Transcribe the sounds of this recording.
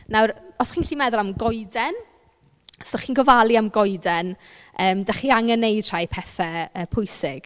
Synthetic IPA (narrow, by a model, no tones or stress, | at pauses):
nawrɔsχiːnɬiːmɛðʊlˠamɡɔɨdɛn | səχiːnɡɔvalˠiamɡɔɨdɛnəːmdaχiːaŋənejd̥r̥ajpʰɛθɛəːpʰʊjsɪɡ̥